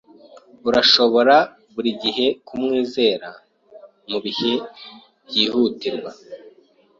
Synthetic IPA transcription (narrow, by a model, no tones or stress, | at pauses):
uɾaʃo̞βo̞ɾa | βuɾiɟiɦe̞kʰumŋiːze̞ːɾa | muβihe̞ | bjiːhutiɾɡwa